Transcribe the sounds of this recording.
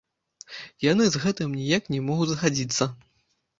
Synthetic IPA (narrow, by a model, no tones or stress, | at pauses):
janɨzɣɛt̪ɨmnʲijaknʲɛmɔɣudʲzɐxad͡zʲit̪sːɐ